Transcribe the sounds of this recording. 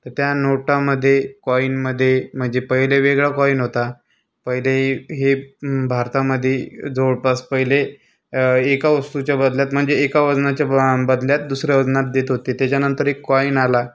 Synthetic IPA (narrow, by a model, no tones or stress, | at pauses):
t̪əɾt̪janoʈaməd̪ʱːjekɔinməd̪ʱːjem̤əɳd͡zepəɦileʋeɡɭakɔinɦot̪a | pəɦileɦebʱaɾt̪aməd̪ʱːjed͡zoɽpaspəɦileː | kaʋəst̪ut͡ɕjabəd̪ljat̪m̤əɳd͡zeːkaʋəd͡znat͡ɕjabəd̪ljat̪̚d̪usɾjaʋəd͡znat̪̚d̪et̪ɦot̪et̪jat͡ɕjanənt̪əɾekːɔinala